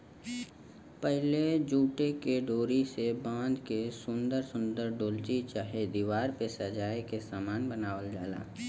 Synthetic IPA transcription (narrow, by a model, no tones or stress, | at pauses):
pɛɦled͡ʒuːʈekeɖoːɾisebãːnd̪kesʊ̃nd̪əɾsʊ̃nd̪əɾɖoːlt͡ʃit͡ʃaːɦed̪iːʋaːɾpesəd͡ʒaːekesaːmaːnbənaːʋəld͡ʒaːla̰ː